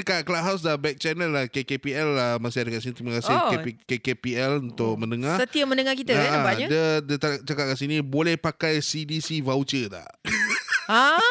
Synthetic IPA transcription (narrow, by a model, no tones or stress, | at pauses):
kaʔ̚klaʔ̚ɦaws̬dabɛk̚t͡ʃɛnəlːahkekepiɛlamasɪadəkaʔsinĩt̪ɾimakasɪkekepiɛlunt̪ʊk̚mə̃nəŋãsət̪iəmə̃nəŋakit̪əaabaɲə̃dədət̪at͡ʃakat̚kaʔsinĩbolɛhpakajsidisivaut͡ʃət̪a̰h | a